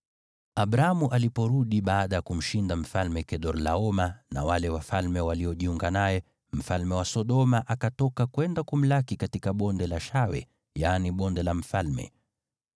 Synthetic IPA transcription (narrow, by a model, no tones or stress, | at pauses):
aɓɾaamuʔalipɔɾuɗiɓaːɗajakum̩ʃindam̩falmɛkɛɗɔɾlaɔmana̰walɛwafalmɛwaliɔʄiuŋɡanajɛ | m̩falmɛwasɔɗɔmaʔakatɔkakwɛndakum̩lakikatikaɓɔndɛlaʃawɛ̰ | janiɓɔndɛlam̩falmɛ̰